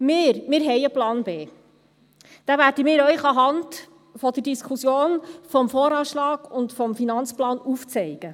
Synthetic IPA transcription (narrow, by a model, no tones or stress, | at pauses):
mɪːɾmɪːɾɦɛjəplɑːnbeː | d̥æːvæːɾd̥əmɪːɾœʏχɑɦɑnd | fɔd̥ədiskʰusjoːnfɔmfɔːɾɑːʃlɑːɡ̥ʊntfɔmfinɑnt͡splɑːnuft͡sɛɪɡ̥ə